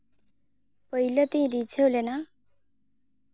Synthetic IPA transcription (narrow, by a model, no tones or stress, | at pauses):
pʌilɔt̪iĩɾid͡ʒʰʱewlena